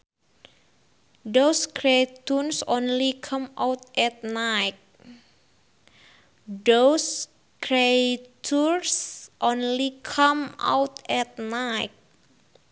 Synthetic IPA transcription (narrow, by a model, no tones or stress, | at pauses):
ɖoskɾejt̪unsonlikʰamawt̪̚ʔɛt̪̚najk̚ | ɖos | kɾet̪ʰuɾsʔonlikʰama̰wt̪ɛt̪̚najk̚